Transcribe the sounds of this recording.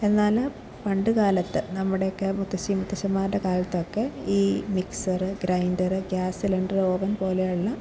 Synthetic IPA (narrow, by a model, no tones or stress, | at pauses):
e̞nːaːl | pɐɳɖɨkaːlɐt̪ːɨnɐmːuɽe̞jokːemut̪ːɐɕimut̪ːɐɕɐmːaːɖekaːlɐt̪ːokːe̞iːmiksɐrɨɡɾɐjndɐɾɨɡʲjaːsileɳɖrɨo̞ːbɐnpo̞ːlejaɭulːɐ